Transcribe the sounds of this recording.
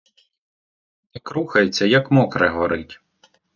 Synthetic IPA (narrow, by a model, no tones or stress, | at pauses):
nɛkɾuxɐjet͡sʲːɐjɐkmɔkɾɛɦɔɾɪtʲ